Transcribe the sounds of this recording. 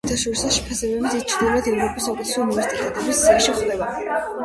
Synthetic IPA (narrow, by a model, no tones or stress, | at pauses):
t̪ʰaʃɔɾisaʃɛ̥pʰasɛbɛbisit͡ʃʰɾd̪ilɛd̪ɛvɾɔpʼisɔkɛt̪sʰuunivɛɾsiit̪ʰʼɛt̪ʰʼɛbisziaʃiχlɛva